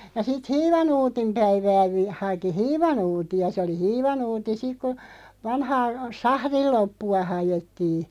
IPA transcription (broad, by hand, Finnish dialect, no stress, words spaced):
jɑ sit hiːʋɑnuːtim pæiʋæː ʋi hɑki hiːʋɑnuːtiɑ se oli hiːʋɑnuːti sik ku ʋɑnhɑː sɑhril lopːuɑ hɑjetːiː